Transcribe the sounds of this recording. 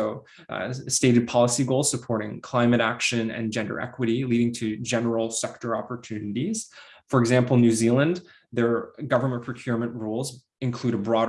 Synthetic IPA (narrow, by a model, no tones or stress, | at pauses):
oʊ | steɪɾɨd̚pʰɑlˠəsiɡoʊlˠz̥səpʰɔɹɾɪ̃ŋkʰl̥ãɪ̃mɨɾækʃɨ̃nɨ̰̃nd͡ʒɛ̃ndə̰˞ʔɛ̰kwɨɾiliɾɪ̃ŋtʰɨd͡ʒɛnə˞l̩ˠsɛk̚tə˞ɑpə˞tʰʉnɨɾiz̥ | fə˞ɨɡzæ̃mpl̩ˠnʉzilˠə̃n | ðə˞ɡʌvə˞mə̃npʰɹ̥ɨkʰj̥ʊɹmɨ̃nʔɹulˠz | ɨ̃nkʰl̥uɾəbɹɔɾ